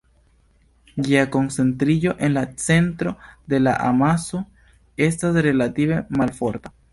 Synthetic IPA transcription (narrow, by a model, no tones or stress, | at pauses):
ɡiako̞nse̞nt̪ɾiʎo̞ʔe̞nlat͡se̞nt̪ɾo̞d̪e̞la̰ʔa̰maso | e̞stasɾe̞lat̪iβe̞malfoɾt̪a